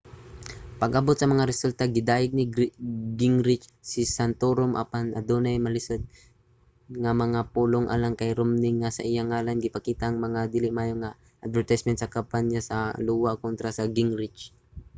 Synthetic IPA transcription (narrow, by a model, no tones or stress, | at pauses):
pɐɡʔɐbot̪̚sɐmɐŋaɾɛsʊlt̪aɡɪd̪aːjɪɡ̚nɪɡɡɪŋɾɪt͡ʃsɪsant̪oɾomʔa̰panʔɐ̰d̪oːnajmɐlɪsʊd̪̚ | ŋamɐŋapuːloŋʔa̰laŋkɐjɾʊmnɪŋːasɐʔɪjaŋaːlanɡɪpɐkiːt̪aʔŋmɐŋad̪iːlɪmaːjoŋa | ʔɐd̪vɛɹt̪ajsmɛnt̪̚sɐkampanjasɐluːwakont̪ɾasɐɡɪŋɾɪt͡ʃ